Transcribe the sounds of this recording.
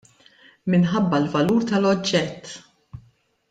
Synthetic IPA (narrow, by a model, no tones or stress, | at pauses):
mɪnħɐbːɐlvɐluːɾt̪ɐlɔd͡ʒːɛt̪ː